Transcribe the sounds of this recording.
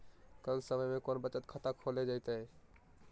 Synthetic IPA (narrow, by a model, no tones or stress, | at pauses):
kəlsəməjmẽkonbət͡ʃət̪kʰət̪akʰoled͡ʒaɪt̪ə